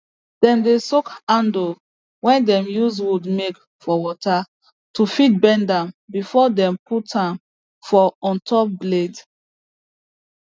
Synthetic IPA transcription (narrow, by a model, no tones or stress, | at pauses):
d̥ɛ̃mdesokãndo | wɛ̃ndɛ̃mjuzwudmek | fɔwɔta | tufit̚bɛ̃ndãmbifɔdɛ̃mputʰãn | fɔɔ̃ntʰɔp̚bled